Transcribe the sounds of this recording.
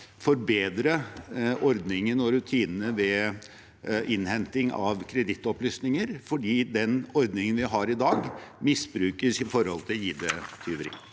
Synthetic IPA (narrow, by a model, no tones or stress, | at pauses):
fɔɾbeːd̪ɾəʔɔɾd̪nɪŋənɔɾʉt̪ʰiːnənəʋɛ | ʔɪnhɛnt̪ɪŋɑ̰ʋkʰɾɛd̪ɪt̪ːɔplyːsnɪŋəɾfɔɖiːd̪ɛnɔɾd̪nɪŋənʋɪɦɑɾɪd̪ɑːɡmɪsbɾʉːkəsɪfɔɾhɔlt̪ʰɪljiːd̪ət̪ʰyːʋɾɪ̰ŋ